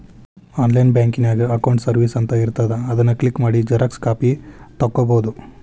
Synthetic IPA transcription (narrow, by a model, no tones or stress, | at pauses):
aːnlɐjnbjaːŋkinaːɡiɐkɐwɳʈsɐɾʋisɐnt̪ɐiɾt̪ɐd̪eɐd̪ɐnːɐklikmaːɽid͡ʒɐɾɐkskaːpit̪ɐkːoboːd̪u